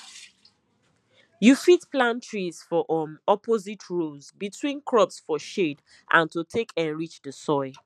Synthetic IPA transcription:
jufitplãntʰɹiz̥fɔʔmɔpozitʰɹozbitʰwĩnkʰɹɔpsfɔʃed | ʔã̰ntutʰekʰɛ̃nɹit͡ʃðəsɔɪ

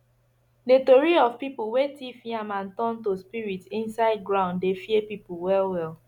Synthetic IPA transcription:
detoɹiɔvpipuwetifĩãmãntɔ̃ntospiɹitĩnsaɪd̚ɡɹãʊ̃nddefiepipulwɛlwɛl

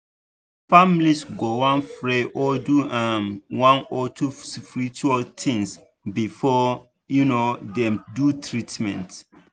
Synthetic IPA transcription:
famlisɡowãnfɹeʔɔduʔãnwãnɔtʰuspiɹit͡ʃualt̪ʰĩŋs | bifɔ | junodɛ̃mdutʰɹitmɛ̰̃nt

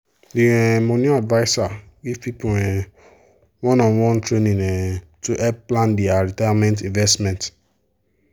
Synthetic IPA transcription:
diɛ̃mɔ̃nĩadvaɪsa | ɡivpipoɛ̃ | wɔ̃nɔ̃wɔ̃ntɹenĩɛ̃tuʔɛb̚plãndiaɹitajamɛ̃ntĩnvɛstmɛ̃nt

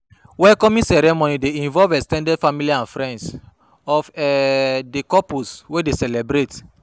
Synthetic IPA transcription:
wɛlkɔmĩnsɛɾɛmonideĩɱvɔlvɛstɛ̃ndɛdfamiliãnfɾɛ̃nds | ɔfɛdekɔpuswedesɛlɛbɾet

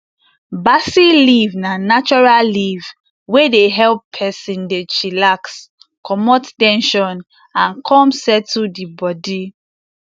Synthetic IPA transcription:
basilivnanat͡ʃɔɹalliv | wedeɦɛlpʰɛsĩndet͡ʃilaks | kʰɔmɔttɛ̃nʃɔ̃n | ãnkʰɔ̃msɛtʰudibɔdi

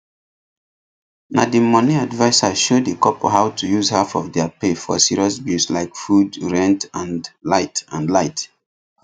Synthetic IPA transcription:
nadimɔniadvaɪsaʃodekɔpo̰ɦaʊtʰujuzhafɔfdɛapefɔ̰siɹiɔs̬bjuslaɪkfudɹɛ̃ntãnlaɪtãnlaɪt

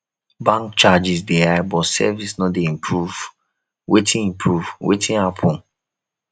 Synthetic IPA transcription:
bãŋkt͡ʃad͡ʒis̬deabɔsɛ̰visnɔdeĩmpʰɹuv | wetʰĩnĩmpɹuvwʔḛtʰĩnapʰɔ̃n

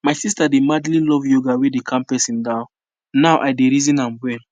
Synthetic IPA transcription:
majsistademadlilɔvjoɡawedekʰãmpɛsĩndãʊ̃n | nawʔajdeɾizĩnãnwɛl

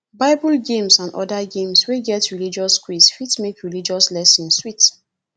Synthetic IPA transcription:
baɪbɔlɡẽmsãndʔɔ̰daɡẽmsweɡɛtɹilid͡ʒɔskwisfitmekɹilid͡ʒɔslɛsĩnswit

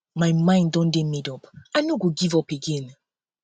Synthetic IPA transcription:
majmãɪ̃ndɔ̃ndɛ̃mɛdɔpajnoɡoɡivɔpeɡɛ̃n

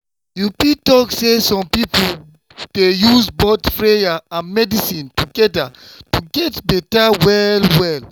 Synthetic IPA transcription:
jupitɔksesɔ̃mpipu | d̥ejusbotfɹejaãnmɛdisĩntuɡɛdatuɡɛtbɛtawɛlwɛl

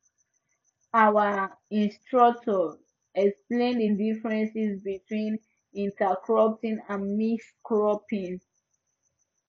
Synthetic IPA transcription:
awəĩnstɹɔk̚tʰɔ | ɛksplẽndədifɹɛ̃nsisbitʰwĩn | ĩntakʰɹɔp̚tĩnãnmiskɹɔpĩn

